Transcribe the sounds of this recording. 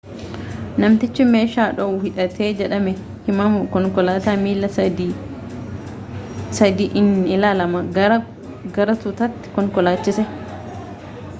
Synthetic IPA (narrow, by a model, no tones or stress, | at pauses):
nɐmt̪ɪt͡ʃːɪmeːʃaːᶑɔwhɪᶑɐt̪ʰeːd͡ʒɛᶑɐmɛ | hɪmɐmʊkɔŋkɔlaːt̪aːmiːlːɐd̪i | sɐd̪iːʔɪnɪlaːlɐmɐ | ɡɐɾɐt̪ʊt̪ɐt̪ːɪ̥kɔŋkɔlaːt͡ʃːɪsɛ